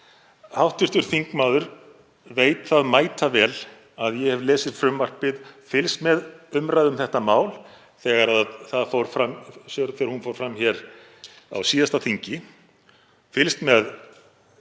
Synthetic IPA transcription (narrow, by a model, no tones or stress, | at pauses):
hawht̪ɪr̥t̪ʏɾ̥θiŋkmaːwðʏɾ | veːjt̪θaðmaːjt̪avɛːl | aðjɛhɛvlɛːsɪðfɾʏmvar̥pɪðfɪlst̪mɛðʏmɾajðʏmθɛht̪amaːwl | θɛːɣaɾaðθaðfoːwɾ̥fɾamsɔɾθɛːɣaɾhunfoːwɾ̥fɾamːçɛɾ | a̰wsiːðast̪aθiɲcɪ | fɪlst̪mɛð